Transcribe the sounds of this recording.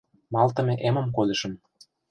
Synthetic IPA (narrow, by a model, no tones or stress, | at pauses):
mɑlt̪ə̆meʔemə̆mkod̪ʲɤ̆ʃɤ̆m